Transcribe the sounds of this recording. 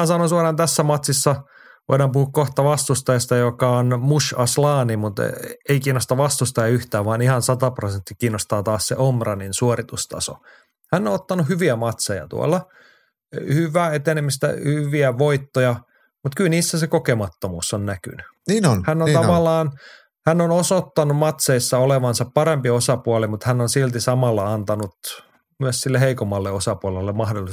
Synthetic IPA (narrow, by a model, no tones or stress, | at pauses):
æːsɑnonsuɑrɑnt̪æsːæmɑt̪sisːɑ | ʋo̰idɑːmpuhukkoht̪ɑʋɑst̪ust̪ɑjɑst̪ɑjokɑonmuʃɑslɑːnimut̪eikiːnːost̪ɑʋɑst̪ust̪ɑjɑyht̪æːʋʋɑːnihɑnsɑt̪ɑprosent̪ːikiːnːost̪ɑːt̪ɑːssḛʔomrɑninsuorit̪ust̪ɑ̰so̰ | hænːoot̪ːɑnuhyʋiæmɑt̪sojɑ̰t̪ṵo̰lːɑ | hyʋˑæːet̪enemist̪æ̰hyʋiæʋoit̪ːojɑ | mut̪kylniːsːæsekokemɑt̪ːomuːsːonnæky̰ny | niːnnhænːont̪ɑʋɑlːˑɑːn | hænːonosot̪ːɑnumɑt̪seisːɑoleʋɑnsɑppɑɾempiosɑpuɑlimut̪hænːonsilt̪isɑmɑlːɑɑnt̪ɑnut̪ | myæssilːeheikomːɑlːeosɑpuɑlelːemmɑhdolːˑi